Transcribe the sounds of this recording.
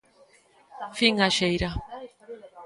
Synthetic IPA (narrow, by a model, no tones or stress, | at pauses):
fiŋaʃejɾa